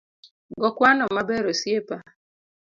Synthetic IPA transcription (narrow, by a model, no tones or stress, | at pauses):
ɡɔkwanɔmabɛɾɔsjepa